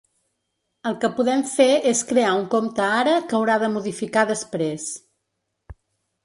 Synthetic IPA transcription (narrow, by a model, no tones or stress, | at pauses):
əlˠkəpuðɛmfeeskɾeauŋkomt̪əaɾəkəwɾaðəmuðifikaðəspɾes